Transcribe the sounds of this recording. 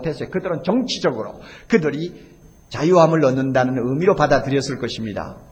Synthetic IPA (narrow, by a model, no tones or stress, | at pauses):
tʰesʰʌekɯdɯɾɯnt͡ɕʌŋt͡ɕʰid͡ʑʌɡɯɾo̰kɯdɯɾi | t͡ɕajuɦamɯɭːʌnːɯndanɯnɯmiɾopadadɯɾjʌs͈ɯɭk͈ʌɕʰimɲida̰